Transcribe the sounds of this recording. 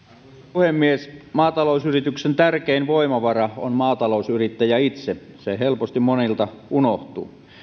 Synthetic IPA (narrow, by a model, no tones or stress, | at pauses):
puhemːiesmɑːt̪ɑlousyrit̪yksent̪ærkeinʋoimɑʋɑrɑonmɑːt̪ɑlousyrit̪ːæjæit̪se | seɦelpost̪immonilt̪ɑunoht̪ṵː